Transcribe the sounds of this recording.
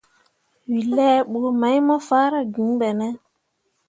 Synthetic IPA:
wi˨lɛ˦ɓo˨˦ma˨˦jmɔ˦faː˦ɾa˨ɡĩ˨˦ŋɓɛ˨nɛ˦

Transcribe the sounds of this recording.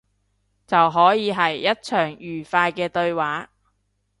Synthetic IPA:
t͡sɐ˨wɦɔː˨˥jiː˨˧ɦɐ˨˩jːɐ˥t̚t͡ʃʰœː˨˩ŋjyː˨˩faː˧jkɛː˧t̪ɵ˧ɥwaː˨˥

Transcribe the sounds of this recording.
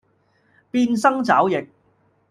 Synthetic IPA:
piː˧nsɐ˥ŋt͡saː˨˥wjɪ˨k̚

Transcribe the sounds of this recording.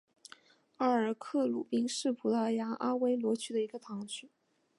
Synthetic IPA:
a˥˩ə˞˨˩kʰɤ˥˩lu˨˩pi˥ŋʂɻ̩˥˩pʰu˨˥lə˥˩ja˧˥ʔa˥we˥ɪlwɔ˧˥t͡ɕʰy˥d̪ə˨i˧˥ɡə˧t̪ʰɑ˧˥ŋt͡ɕʰy˥

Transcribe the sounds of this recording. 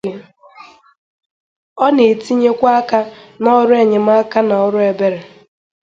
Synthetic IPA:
ɔ˦ne˨ti˦ɲe˦kʷa˦ka˦nɔ˦ɾʊ˦e˨ɲe˨m̩˦a˦ka˦na˨ɔ˦ɾʊ˦e˨be˦ɾe˨

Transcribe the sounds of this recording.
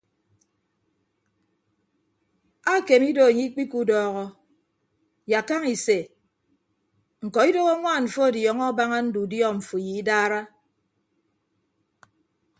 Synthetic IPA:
a˦˨ke˨mi˦do˨a˨ɲi˦k͡pi˦ku˦dɔː˨ɣɔ˨ | ja˨ka˦ŋi˨se˨ | ŋ̩˨kɔ˨i˦do˦ɣo˦ŋʷaː˦˨ɱ̩˨fo˦˨djɔ˨ŋɔ˦ba˦ŋa˦n̩˦du˨djɔ˦˨ɱ̩˨fu˨ji˨i˦daː˦ɾa˦

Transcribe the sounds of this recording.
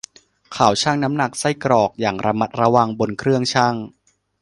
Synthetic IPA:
kʰaː˩˦wt͡ɕʰaː˥˩ŋna˦˥mna˨˩k̚sa˥˩jkɾɔː˨˩k̚jaː˨˩ŋɾa˧ma˦˥t̪̚ɾa˧wa˧ŋbo˧nkʰɾɯ˥˩əŋt͡ɕʰaː˥˩ŋ

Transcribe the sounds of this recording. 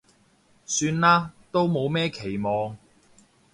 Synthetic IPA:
syː˧nlaː˥t̪o˥wmo˨˧wmɛː˥kʰe˨˩jmɔː˨˧ŋ

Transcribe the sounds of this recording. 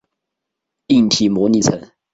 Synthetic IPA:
i˥˩ŋt̪ʰi˨˩mɔ˧˥˦ni˧˥t͡sʰə˨˥˦ŋ

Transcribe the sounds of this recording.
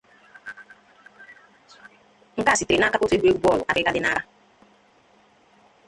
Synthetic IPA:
ŋ̩˦ka˦˨si˨tɾe˨na˦ka˦kʊ˦te˦bʷe˦ɡ͡bɔ˦˨lʊ˨a˨kɪ˦ka˦dɪ˨na̰˦ɾa˦

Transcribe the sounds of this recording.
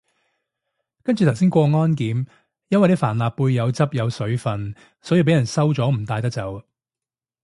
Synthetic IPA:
kɐ˥nt͡ʃy˨t̪ʰws̬iː˥nkʷɔː˧ŋɔː˥nkiː˨˥m | jɐ˥nwɐ˨jne˥faː˨˩nlaː˨pːuː˧jːɐ˨˧wt͡sɐ˥p̚jɐ˨˧wsɵ˨˥ɥfɐ˨n | sɔ˨˥ji˧pe˨˥jɐ˨˩nsɐ˥wt͡sɔː˨˥m̩˨˩t̪aː˧jt̪ɐ˥k̚t͡sɐ˨˧w

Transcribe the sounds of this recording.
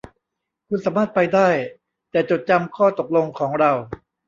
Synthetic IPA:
kʰu˧nsaː˩˦maː˥˩t̪̚pa˧jdaː˥˩j | t̪ɛː˨˩t͡ɕo˨˩t̪̚t͡ɕa˧mkʰɔː˥˩t̪o˨˩k̚lo˧ŋkʰɔː˩˦ŋɾa˧w

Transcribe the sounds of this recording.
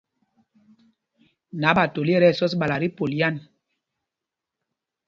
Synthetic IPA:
na˨˦ɓa˨to˨li˦ɛ˦ɾɛ˦˨sɔ˦sɓa˨la˨ɾi˦po˨lja˦˨n

